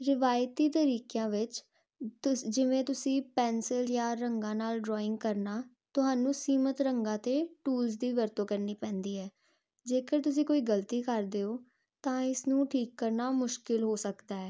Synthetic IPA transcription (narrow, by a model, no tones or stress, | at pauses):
ɾɪʋaːjt̪iːt̪əɾiːkejãːʋɪt͡ʃ | d͡ʒɪʋẽːt̪ʊsĩːpɛːnsɪljãːɾəŋɡãːnaːlɖɾɔːɪ̃ŋɡkəɾnaː | t̪ʊɦaːnũːsiːmət̪ɾəŋɡãːt̪eːʈuːlzd̪iːʋəɾt̪õːkəɾniːpɛ̃ːnd̪iːɦɛː | d͡ʒeːkəɾt̪ʊs̬ĩːkoːiːɡəlt̪iːkəɾd̪eːoː | t̪ãːɪsnũːʈʰiːkːəɾnaːmʊʃkɪlɦoːsəkd̪aːɛː